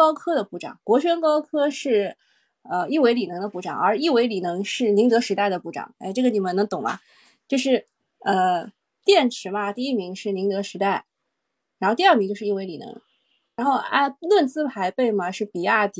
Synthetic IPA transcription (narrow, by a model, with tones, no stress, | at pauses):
ɑ˥ʊkʰɤ˥d̪ə˨pu˥˩ʈ͡ʂɑ̰˨˩˦ŋkwɔ˧˥ɕʰɥɛ˥nkɑ˥ʊkʰɤ˥ʂɻ̩˥˩ | ə˧i˥˩we˧˥ɪli˨˩nɤ˧˥ŋd̪ə˧pu˥˩ʈ͡ʂɑ̰˨˩˦ŋə̰˞˧˥i˥˩we˧˥ɪli˨˩nɤ˧˥ŋʂɻ̩˥˩ni˧˥ŋt̪ɤ˧˥ʂɻ̩˧˥t̪a˥˩ɪd̪ə˩pu˥˩ʈ͡ʂɑ̰˨˩˦ŋe˥˧ɪʈ͡ʂɤ˥˩ɡə˩ni˨˩mə˧˥nɤ˧˥ŋt̪ʊ˨˩ŋbɐ̰˧˦ | t͡ɕjo˥˧ʊʂɻ̩˥˧ | ə˧ | t̪jɛ˥˩nʈ͡ʂʰɻ̩˧˥mɐ˧t̪i˥˧i˥˩mi˧˥ŋʂɻ̩˥˩ni˧˥ŋt̪ɤ˧˥ʂɻ̩˧˥t̪a˥˩ɪ | ɻa˧˥xo˥˧t̪i˧˥ɐ˥˩mi˧˥t͡ɕo˥˧ʊʂɻ̩˥˧˥we˧˥ɪli˨˩nɤ̰˧˥ŋ | ɻa˧˥nxo˥˧ʊa̰˥˧lwə˥˩nt͡sɹ̩˥pʰa˧˥ɪpe˥˩ɪmɐ˨˩ʂɻ̩˥˩pi˨˩a˥˩t̪